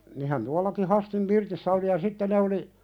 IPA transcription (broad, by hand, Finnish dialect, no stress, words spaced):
nihæn tuɑlɑki hɑstim pirtisːæ oli jɑ sitːe ne oli